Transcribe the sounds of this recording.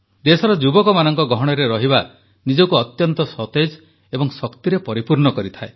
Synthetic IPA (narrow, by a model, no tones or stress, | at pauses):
d̪esɔɾɔd͡ʒubɔkɔmanɔŋkɔɡɔɦɔɽ̃ɔɾeɾɔɦiba | nid͡ʒɔkuɔt̪jɔnt̪ɔsɔt̪ed͡ʒ | ebɔŋsɔkt̪iɾepɔɾipuɾɳɔkɔɾit̪ʰae